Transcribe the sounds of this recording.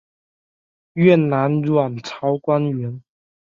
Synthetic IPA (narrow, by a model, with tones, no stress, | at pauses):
ɥɛ˥˩na˧˦˥nɻwa˨˩nt͡sʰɑ˨˥ʊkwa˥nɥɛ˧˥n